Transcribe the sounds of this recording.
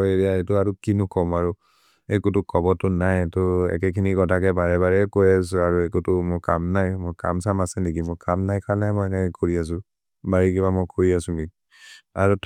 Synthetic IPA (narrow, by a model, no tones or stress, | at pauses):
etiaetʊaɹukinʊkɔmaɹu | ekutʊkʰɔbɔtʊnajɛtʊɛ̰kɛkʰiniɡɔtakɛbaɹɛbaɹɛkojas̬ʊaɹuekutʊmʊkamnajmɔjka̰msamasɛnekimʊkamnajkanajmɔjɛnɛkɛkoɹias̬ʊ̃ | baɹikibamɔjkoɹiasʊ̃ɡi | a̰ɹutʰ